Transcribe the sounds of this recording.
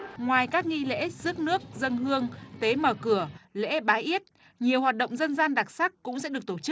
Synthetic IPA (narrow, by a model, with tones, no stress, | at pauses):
ŋwaː˨˩jkaː˦˥k̚ŋi˧lḛ˧˥z̥ɨ˦˥k̚nɨ˦˥ək̚zə˧nhɨ˧əŋt̪e˨˦məː˧˩kɨ˧˩əlḛ˧˥ɓaː˨˦jʔi˦˥ət̚ | ɲi˨˩əwhwaː˨˩t̚ɗə̰˧˨ŋ͡mzə˧nzaː˧nɗaː˨˩k̚sa˦˥kːkʊ̰˧˥ŋ͡msɛ̰˧˥ɗɨ˨˩ək̚t̪o˧˩t͡ɕɨ˦˥k̚